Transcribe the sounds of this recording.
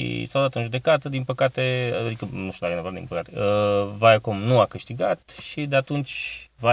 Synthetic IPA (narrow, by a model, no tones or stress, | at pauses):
ḭsawd̪at̪ɨnʒud̪e̞kat̪əd̪inpəkat̪e̞aad̪ikənuʃt̪ʲud̪akəjenevoɾad̪inpəkat̪eəvajakomnuakɨʃt̪iɡat̪ʃid̪e̞at̪unt͡ʃʲva